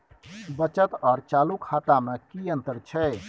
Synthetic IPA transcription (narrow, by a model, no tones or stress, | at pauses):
bət͡ʃət̪ɔːɾt͡ʃaːlukʰat̪amekijənt̪əɾt͡ʃʰɛ